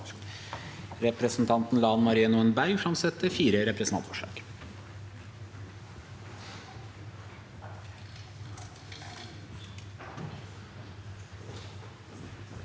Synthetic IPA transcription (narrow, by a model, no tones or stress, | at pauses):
ɾɛpɾəsn̩t̪ʰɑnt̪n̩lɑːnmɑɾiːənuːɛnbæɾɡfɾɑmsɛt̪ːəfiːɾəɾɛpɾəsnʰɑ̰fɔʂɑ̰ːk